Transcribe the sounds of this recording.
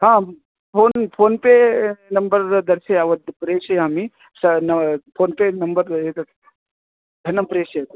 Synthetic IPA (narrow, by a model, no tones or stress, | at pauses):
ɦãː | pʰoːnpʰoːnpenɐmbəɾd̪ɐɾseaʋɐd̪pɾeːʃɐami | sɐnɐpʰoːnpenɐmbɐɾet̪ɐ | d̪ʱɐnɐmpɾeːʃɐet̪